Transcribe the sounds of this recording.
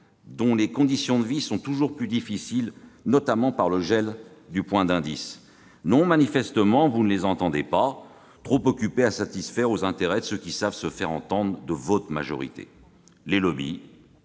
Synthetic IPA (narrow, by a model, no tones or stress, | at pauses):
d̪ɔ̃lekɔ̃d̪isjɔ̃d̪əvisɔ̃t̪uʒuʁplyd̪ifisilnɔt̪amɑ̃paʁləʒɛld̪ypwɛ̃d̪ɛ̃d̪ḭs | nɔ̃manifɛst̪əmɑ̃vunəlezɑ̃t̪ɑ̃d̪epa | t̪χopɔkʲypeasat̪isfɛʁozɛ̃t̪eʁɛd̪əsøkʲisavsəfɛʁɑ̰̃t̪ɑ̃d̪ʁəd̪əvɔt̪χma̰ʒɔ̰ʁḭt̪ḛ | lelɔbḭ